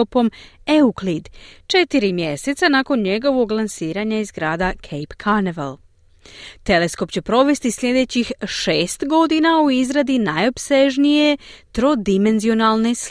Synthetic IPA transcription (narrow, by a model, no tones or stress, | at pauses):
opo̞me̞uklid̪t͡ʃe̞t̪iɾimje̞se̞t̪sanako̞nɲe̞ɡo̞ʋo̞ɡlˠansiːɾaɲaizɡɾaːd̪akʰejpkʰaɾneʋal | t̪e̞le̞sko̞pt͡ɕe̞pɾo̞ʋe̞st̪isʎʲe̞d̪e̞t͡ɕixʃeːst̪ɡo̞d̪inauizɾad̪inajo̞pse̞ʒnije̞t̪ɾo̞d̪ime̞nzio̞nalˠne̞s